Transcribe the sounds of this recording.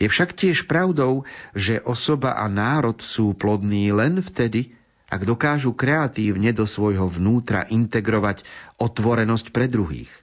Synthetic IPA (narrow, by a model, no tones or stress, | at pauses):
jɛfʃakcɪɛʃpɾaʊd̪ɔʊʒɛʔɔsɔba̰ʔa̰naːɾɔt̪suːplɔd̪niːlɛnft̪ɛd̪i | ʔa̰ɡd̪ɔkaːʒukɾɛat̪iːʊɲɛd̪ɔsʋɔjɦɔʋnuːt̪ɾa̰ʔint̪ɛɡɾɔʋacɔt̪ʋɔɾɛnɔscpɾɛd̪ɾuɦḭːx